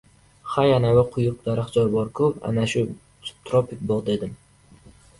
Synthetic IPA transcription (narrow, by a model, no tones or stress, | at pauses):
χajanavaqʰʊjʊq̚d̪aɾaχd͡ʒɒɾbɒɾkʰʊpa̰naʃʊ | t̪ʰɾopʰʲɪk̚bɒʁd̪ed̪ɪm